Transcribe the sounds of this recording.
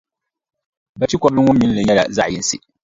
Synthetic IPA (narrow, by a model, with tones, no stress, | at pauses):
ba˨ti˦kʷɔ˦blɨ˦ŋʊ˦mːi˨˦lɨ˨ɲɛ˦la̰˨za˦ʔji˨n˦˨sḭ˨